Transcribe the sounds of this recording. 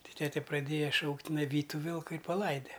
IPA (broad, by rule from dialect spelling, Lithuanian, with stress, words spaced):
ˈtʲɪ ˈtʲæːtʲɛ prɐˈdʲeːjɛ ˈʃɐʊktʲ tʲɪˈnɐɪ ˈʋʲiːtʲ ˈtʊ ˈʋʲɪlˠkʊ ɪ pɐˈlˠɐɪdʲɛ